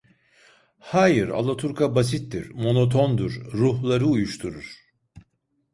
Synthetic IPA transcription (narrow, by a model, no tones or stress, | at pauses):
haːjɯɾa̰lˠat̪ʰuɾkʰabasit̪ːiɾmo̞no̞t̪ʰo̞nd̪uɾːuhlˠaɾɯujuʃt̪ʰuɾuɾ̥